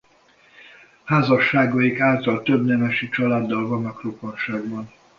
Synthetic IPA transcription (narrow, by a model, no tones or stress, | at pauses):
haːzɒʃːaːɡɒjikaːlt̪ɒlt̪øbnɛmɛʃit͡ʃɒlaːd̪ːɒlvɒnːɒkroponʃaːɡbɒn